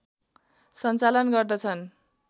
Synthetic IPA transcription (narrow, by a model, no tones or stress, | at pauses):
sʌnt͡salʌnɡʌrd̪ʌt͡sʰʌn